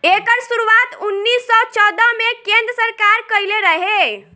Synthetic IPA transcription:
ekəɾsuɾuʋat̪unːisːɔt͡ʃɔd̪əmekẽnd̪ɾəsəɾkaɾkəjleɾəɦe

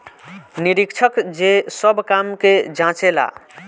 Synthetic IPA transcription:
niɾikt͡ʃʰəkd͡ʒesəbkamked͡ʒãt͡ʃela̰

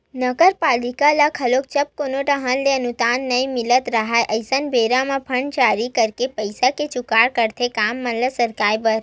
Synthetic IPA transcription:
nəɡəɾpaːlɪkalakʰɐloːk̚t͡ʃɐb̚konoʈɐɦə̃nleənut̪aːnːɐĩmɪlət̪ɾɐɦaeʔɐɪsənbeːɾamãpʰɐɳɖd͡ʒaːɾikəɾkepəɪsaket͡ʃʊkaːɽkəɾt̪ʰekaːmːələsəɾkaːjbəɾ

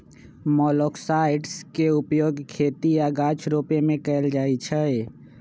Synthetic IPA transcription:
mɔːlɔːksaːɪʈskeʊpjoːɡkʰeːt̪iaːɡaːt͡ʃʰɾoːpemẽkɛld͡ʒaːit͡ʃʰɛe

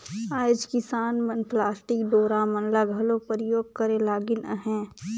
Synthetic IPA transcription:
aːɪd͡ʒkɪsaːnmənplaːsʈɪkɖoːɾamɐnlaɡʱɐlõpəɾjoːɡ̚kəɾẽlaːɡɪnə̰ɦɛ̃ː

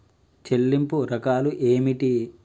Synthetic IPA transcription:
t͡ʃelːimpuɾɐkaːluʔeːmiʈi

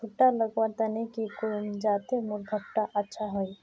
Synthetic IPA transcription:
uʈːaləɡwat̪anekikond͡ʒaːt̪emʊɾɡʱəp̚ʈaʔətːʃʰaɦoj

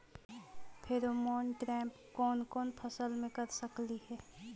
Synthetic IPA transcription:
pʰeːɾomɔːnʈɾɛ̃ːmp | kɔːnkɔːnpʰɐsəlmẽkɐɾsɐkliɦɛː

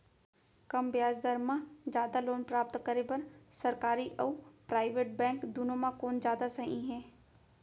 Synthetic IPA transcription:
kɐmbjaːd͡ʒd̪əɾmãd͡ʒjaːd̪aloːnpɾaːp̚t̪kəɾebɐɾsɐɾkaːɾiʔɔːpɾaːɪʋeːʈbɛ̃ːŋkd̪unomãkoːnd͡ʒjaːd̪asɐɦḭ̃ɦɛ̃ː

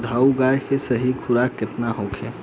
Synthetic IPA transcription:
d̪ʱauɡaːjkesəɦikʰʊɾakːɪt̪naɦokʰeː

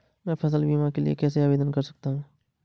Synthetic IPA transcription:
mɛ̃pʰɐs̬əlbiːmãkelḭḛkɛːseabeːd̪ənkɐɾsɐ̥k̚t̪aɦũː

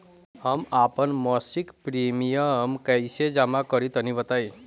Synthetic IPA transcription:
əmapənmɔsikpɾimijəmkəjsed͡ʒamakəɾit̪ʌnibət̪aj

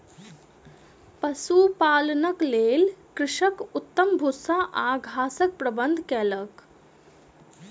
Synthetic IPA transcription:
pəsupaːlnəkleːlkɾɪʂəkut̪ːəmbʱusaʔaɡʱaːsək̚pɾəbənd̪ʱkɛːlək

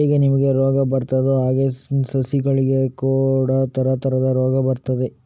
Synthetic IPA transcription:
iɡenimɐɡe̞ɾoːɡɐbɐɾt̪ɐd̪oɦaːɡesɐsiɡɐɭiɡe̞kuːɽɐt̪ʰɐɾɐt̪ɐɾɐd̪ɐɾoːɡɐbɐɾt̪ɐd̪e

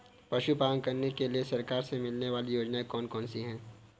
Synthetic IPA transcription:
pɐʃupaːə̃ŋkɐɾnekeliesɐɾkaːɾsemɪlneʋaːlijoːd͡ʒnaekɔːnkɔːnsiɦɛ̃ː

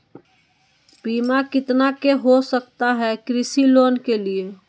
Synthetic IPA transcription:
piːmakɪt̪nakeɦosəkt̪aɦɛkɾɪsiloːnkelie

